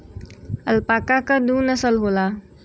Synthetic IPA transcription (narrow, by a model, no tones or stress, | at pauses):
əlpakakəd̪uːnəsəlɦola